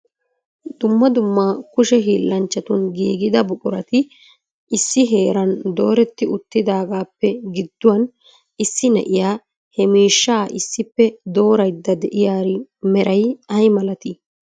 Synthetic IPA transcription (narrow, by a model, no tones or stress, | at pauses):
d̪ʊmːɐd̪ʊmːɐkʊʃɛɦiːlːɐnt͡ʃːɐt̪ʊnɡiːɡɪd̪ɐbʊkʼʊɾɐt̪ɪ | ɪsːɪɦe̞ːɾɐnd̪o̞ːɾɛt̪ːɪʊt̪ːɪd̪aːɡaːpːɛɡɪd̪ːʊwɐn | ɪsːɪnɛ̰ʔɪjaː | hɛmiːʃːaːʔɪsːɪpːɛd̪o̞ːɾɐjd̪ːɐd̪ɛʔɪjaːɾɪmɛɾʔɐjɐjmɐlɐt̪ɪ